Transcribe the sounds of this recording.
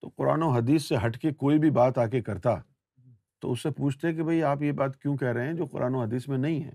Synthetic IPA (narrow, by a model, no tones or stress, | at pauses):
t̪o̰ːqʊɾa̰ːnoɦɐd̪iːsːeɦɐʈkekoːibʱibaːt̪aːk̬ekɐɾt̪a | t̪o̰ːʊsːepuːt͡ʃʰt̪eɦɛ̃k̬ibʱɐiaːpjebaːt̪kjũkɛɦɾɐɦeɛ̃d͡ʒoːqʊ̰ɾʔaːnoɦɐd̪iːsmẽnɐɦĩɦɛ̰ː